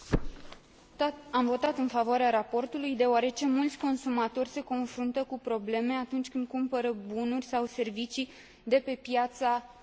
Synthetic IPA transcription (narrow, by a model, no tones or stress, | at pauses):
amvo̞t̪at̪ɨnfavoaɾeaɾapo̞rt̪ulujd̪e̞oaɾe̞t͡ʃe̞mult̪sʲko̞nsumat̪o̞rʲse̞ko̞nfɾunt̪əkupɾo̞ble̞me̞at̪unt͡ʃʲkɨnd̪̚kumpəɾəbunurʲsawse̞rvit͡ʃi | d̪e̞pe̞pjat̪sa